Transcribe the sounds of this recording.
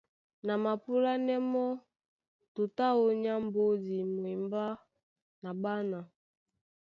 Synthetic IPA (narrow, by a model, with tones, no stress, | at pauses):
na˨ma˨pu˦la˦nɛ˦mɔ˦ | tu˨ta˦o˦ɲa˦mbo˦di˨mwi˨mba˦ | na˨ba˦na˨